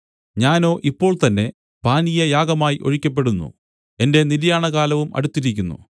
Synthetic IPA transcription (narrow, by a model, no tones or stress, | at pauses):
ɲaːno̞ːʔipːo̞ːɭt̪ɐnːe̞ | paːnijɐjaːɡɐmaːjiʔo̞̰ɻikʲːɐp̬ːe̞ɽunːṵ | e̞nde̞niɾjaːɳɐɣaːlɐʋumɐ̰ɽut̪ːiɾikʲːunːṵ